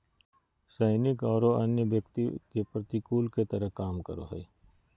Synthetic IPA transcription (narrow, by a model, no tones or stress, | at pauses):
saːɪnɪkɔːɾoɐnjəʋjəkt̪ikepɾət̪ikuːlket̪əɾəɦkaːmkə̰ɾo̰ɦɛ̰